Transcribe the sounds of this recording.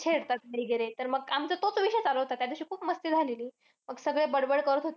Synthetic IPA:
t͡ɕʰeɽt̪at̪məiɡeɾet̪əɾməɡamt͡sat̪ot͡sʋiɕəjt͡saləɦot̪at̪jad̪eɕiːkʰuːpməst̪iːd͡zʱaleliː | məɡsəɡɭebəɽbəɽkəɾət̪ɦot̪

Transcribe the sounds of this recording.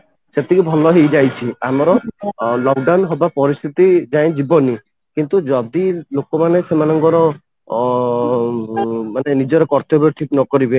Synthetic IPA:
set̪ikibʱɔlɔɦejd͡ʒajt͡ʃʰiamɔɾɔlɔkɖawnɦɔbapɔɾist̪ʰit̪id͡ʒaj̃d͡ʒibɔni | kint̪ud͡ʒɔd̪ilokɔmanesemanɔŋkɔɾɔ | manenid͡ʒɔɾɔkɔɾt̪ɔbeʈʰiknɔkɔɾibe

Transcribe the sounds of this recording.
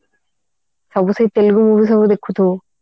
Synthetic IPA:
sɐbusɐjt̪eluɡumuːʋis̬ɐbud̪ekʰːut̪u

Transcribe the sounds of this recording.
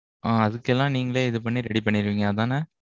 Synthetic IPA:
ʔaːɐðɯkːɛlːãːniːŋɡɐɭeːɪðɯp̬ɐɳːiɾɛɽipɐɳːɪɾɯʋiːŋɡɐːðãːnɐ

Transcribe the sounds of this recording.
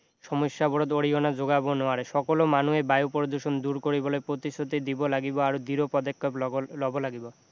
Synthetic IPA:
ʃɔmoʃːabɔɾod̪oɽionad͡ʑoɡabonɔaɾeʃɔkolomanuebajupoɾod̪uʃond̪uɾkoɾibolepɾot̪istʰot̪id̪ibolaɡiboaɾod̪iɾopɔd̪ekːɔplɔbolaɡibo

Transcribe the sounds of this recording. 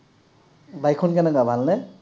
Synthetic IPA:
bajkʰːɔnkɛnɛkabʱalnɛ

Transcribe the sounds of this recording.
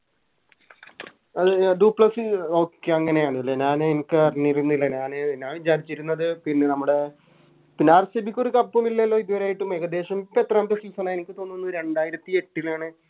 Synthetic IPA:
ɐðɨɖuːpɭɐsɨo̞ːkːeɐŋːɐne̞jaːɳɨilːɐɲaːnenikʲːɐrniɾunːilːɐɲaːnɨnːaːʋit͡ɕaːɾit͡ɕːiɾunːɐðɨpinːenɐmːuɽe̞ | pinːaːrsɐbikʲːo̞ɾukɐpːɐmilːɐɐlːo̞ːiðuʋɐɾeaːjiʈːumːeːɣɐd̪e̞ːʂɐmpet̪raːmd̪ɐʂilsɐːnaːenikʲːɨt̪o̞nːonːuɾe̞ɳɖaːjiɾɐt̪ːie̞ʈːilaːɳɨ

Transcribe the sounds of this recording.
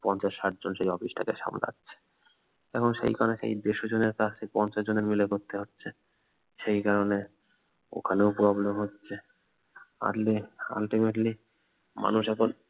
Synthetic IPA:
pɔnt͡ɕaʃːaʈ̚d͡ʑonʃejɔfiʃʈʰakeʃa̰ml̰a̰tːɕʰe̥ | ɛkʰonʃḛjkaoneʃḛjd̪eʃod͡ʑoneɾkaʃejpɔnt͡ɕaʃd͡ʑoneɾmilekoɾt̪eɦotːɕʰe | ʃejkaɾone | o̰kʰaneopoɾabloɦotːɕʰe | a̰ɾlia̰lʈimeʈli | ma̰nuʃɛkʰon

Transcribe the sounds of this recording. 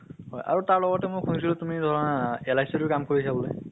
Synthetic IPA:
hɔjʔa̰ɹutaɹlɔɡɔtɛmʊkʰunis̬ilɔtumidʱɔɹɔnaɛlajsɔtʊkamkoɹisabɔloj

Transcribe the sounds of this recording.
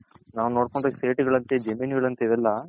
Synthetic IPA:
naːʋunoːɽkoɳɖɾɐseːʈuɡɐɭɐnt̪ed͡ʒɐmiːniɡɐɭɐnt̪ɐiðɛlːɐ

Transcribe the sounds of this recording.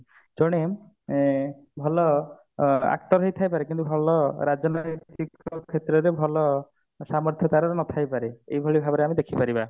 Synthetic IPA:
d͡ʒɔɽ̃em | bʱɔlɔ | a̰kt̪ɔɾɦejt̪ʰajpaɾekint̪ubʱɔlɔɾad͡ʒɔnɔjt̪ikɔkʰet̪ɾɔɾebʱɔlɔ | samɔɾt̪ʰjɔt̪aɾɔɾɔnɔt̪ʰajpaɾeejbʱɔɭibʱabɔɾeamid̪ekʰipaɾiba

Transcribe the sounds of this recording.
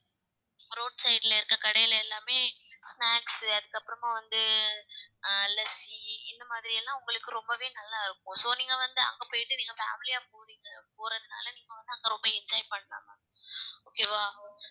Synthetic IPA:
ɾoːɖsɐɪʈɪlɐɪɾɯkːɐkɐɽɐjɪlɛlːaːmeːsnaːksɐðɯkːɐpːɯɾɐmaːʋɐnd̪ɯ | lɛsiɪnːɐmaːðɪɾɪjɛlːãːʊŋɡɐɭɯkːɯɾɔmbɐʋeːnɐlːaːɪɾɯkːʊ̃soːniːŋɡɐʋɐnd̪ɯɐ̰ŋɡɐpoːjɪʈːɯniːŋɡɐfa̰ːmɪlɪjaːpoːɾiːŋɡɐpoːɾɐðɯna̰ːlɐniːŋɡɐʋɐnd̪ɯɐŋɡɐɾɔmbɐɛɲd͡ʒaːjpɐɳːɐla̰ːmɐ | oːkeːʋaː

